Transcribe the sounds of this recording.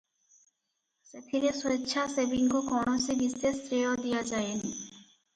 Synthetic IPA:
set̪ʰiɾesoitːɕʰasebiŋkokɔnosibist̪est̪ɾeod̪ijad͡ʑajeni

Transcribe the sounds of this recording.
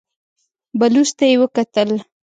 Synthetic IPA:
balust̪ajewəkat̪əl

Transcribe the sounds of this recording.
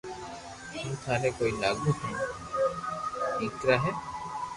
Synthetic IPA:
tũːt̪ʰaːneːkoːiːlaːɡũːɦɛ̃ː | iːkɾaːɦɛː

